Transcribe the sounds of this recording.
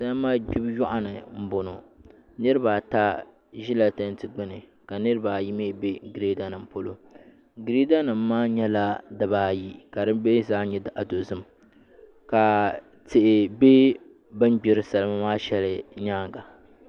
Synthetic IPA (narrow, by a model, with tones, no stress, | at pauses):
sa˦lmaː˦d͡ʒi˦bjɔ˦ʔa˨nɨ˨m̩˦bo˨no˨ | nɨ˦ɾɨ˦baː˨ta˦ | ʒi˦la˨ta˦n˦tɨ˨ɡ͡bɪ˦nɨ˨ | ka˨nɨ˦ɾɨ˦baː˨ji˦meː˦be˦ɡɾe˦da˦nɨ˨m˨po˦lo˦ | ɡɾe˦da˦nɨ˨m̩ː˦aː˦ɲɛ˦la˦dɨ˦baː˨ji˦ka˨dɨ˦be˦zaː˦ɲɛ˦dʔa˨do˨zɨ˦m | ka˨ | tɪ˨ʔɪ˨be˦ | bɨ˦m˦ɡ͡bɪ˨ɾɨ˦sa˨lɨ˦ma˦maː˦ʃɛ˦lɨ˦˨ɲaː˦ŋɡa˨